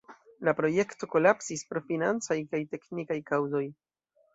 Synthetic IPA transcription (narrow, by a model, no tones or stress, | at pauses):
lapɾo̞je̞kto̞ko̞lapsispɾo̞finant͡sajkajte̞knikajkawzo̞j